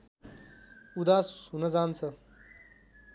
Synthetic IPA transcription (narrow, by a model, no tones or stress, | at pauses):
ud̪aːssunɐzaːnt͡sʰɐ